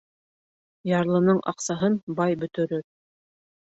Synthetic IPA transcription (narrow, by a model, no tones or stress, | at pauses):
jɑɾlˠɤ̆nɤɴʔɑ̰qsɑɦɤnbɑjbɵ̆t̪ɵ̆ɾɵɾ